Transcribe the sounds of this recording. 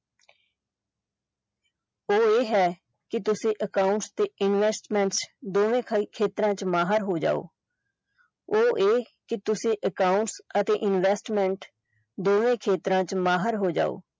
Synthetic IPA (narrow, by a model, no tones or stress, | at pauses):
oːeːɦɛː | kɪt̪ʊsĩːʔəkaːʊɳʈst̪eːɪnʋɛːsʈmɛ̃ːɳʈsd̪oːʋẽːkʰeːt̪ɾãːt͡ʃmaːɦəɾɦoːd͡ʒa̰ːo̰ː | oːʔeː | kɪt̪ʊsĩːʔəkaːʊɳʈsət̪eːʔɪnʋɛːsʈmɛ̃ːɳʈ | d̪oːʋẽːkʰeːt̪ɾãːt͡ʃmaːɦəɾɦoːd͡ʒa̰ːo̰ː